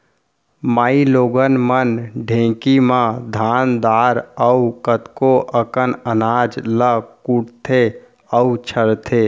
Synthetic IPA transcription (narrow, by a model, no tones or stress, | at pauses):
maːiloːɡənmənɖʱẽkimãd̪ʱand̪aɾəukət̪koʔəkənənad͡ʒləkuʈt̪ʰe | əut͡ʃʰəɽt̪ʰe